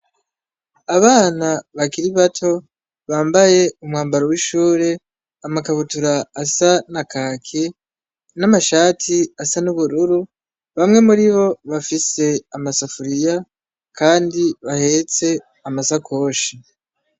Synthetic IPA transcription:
aβaːnaβakiɾiβatʰo̞ | βaːmbaje̞umŋaːmbaɾowiʃuːɾe̞ | amakaβutuɾaːsanakʰaːkʰe | namaʃaːtʰiasanuβuɾuɾu | βamŋe̞muɾiβo̞βafise̞amasafuɾija | kaːndiβahe̞t͡se̞ | amasakʰo̞ːʃi

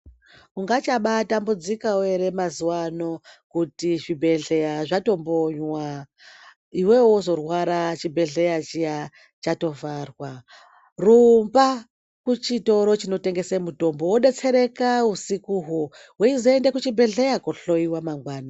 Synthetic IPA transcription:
uŋɡat͡ʃaɓatambud͡zikaweɾe̞mazuwano̞kutiʐibʱe̞ɮe̞jaʐato̞mbo̞ɲwa | iwe̞wozo̞rwaɾat͡ʃibʱe̞ɮe̞jat͡ʃija | t͡ʃato̞varwa | rumba | kut͡ʃito̞ɾo̞t͡ʃino̞te̞ŋɡesemuto̞mbo̞woɗet͡se̞ɾe̞kausikuːɦu | weizoendekut͡ʃibʱe̞ɮe̞jakuɬo̞iwamaŋɡwaːna

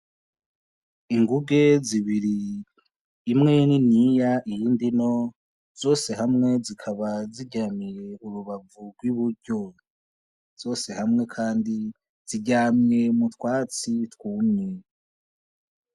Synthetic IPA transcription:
iŋɡuɡe̞ziβiɾi | mŋe̞ninijaʔijiːndino̞ | z̥o̞ːse̞ɦamŋe̞zikʰaβaziɟamiɾe̞uɾuβavuɡwiβuɾɟo̞ | z̥o̞ːse̞hamŋe̞kʰaːndi | z̥iɟaːmje̞mutwaːt͡sitwuːme

